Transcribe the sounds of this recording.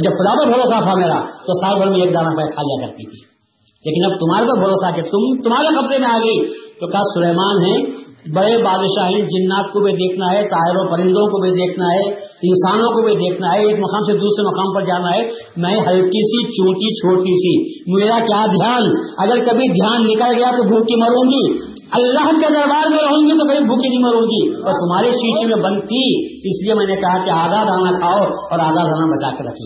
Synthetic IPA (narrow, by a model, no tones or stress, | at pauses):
d͡ʒɐbxʊd̪apɐɾbʱɐɾoːsapʰameːɾa̰t̪osaːlbʱəɾmẽeːk̚d̪aːnapʰekʰaːlijakɐɾt̪it̪ʰi̥ː | leːkɪnɐb̚t̪ʊm̤ɦaːɾepɐɾbʱɐɾoːsaket̪ʊmt̪ʊmaːɾexɐbzemẽaːɡəid͡ʒ̪oːkaːsʊleːmaːnɦɛ̃bɐɽebaːd̪ʃaɦɛ̃d͡ʒɪnːaːt̪̚kobʱid̪eːkʰnaɦɛt̪aːɪɾõpɐɾɪ̃nd̪õkobʱid̪eːkʰnaɦɛɪ̃nsaːnõkobʱid̪eːkʰnaɦɛɪsmɐkaːmsed̪uːsɾemɐkaːmpɐɾd͡ʒaːnaɦɛ | mɛ̃ːɦɐlkisit͡ʃũːʈit͡ʃʰoːʈisi | meːɾakjaːd̪ʱjaːnɐɡəɾkɐbʱid̪ʱjaːnːɪkəlɡɐjat̪obʱuːkimɐɾũːɡiː | ɐlːaːɦked̪ɐɾbaːɾmeːɾɦõːŋɡit̪̬okɐbʱibʱuːkinɐɦĩmɐɾũːŋ̆ɡiːɔːɾt̪ʊmɦaːɾiʃiːʃimẽbɐ̃nd̪̚t̪ʰi | ɪsliemɛ̃ːnekɐɦakeaːzaːd̪aːnakʰaːoɔːɾaːzaːd̪aːnabɐt͡ʃa̰kɐɾɾɐkʰḭː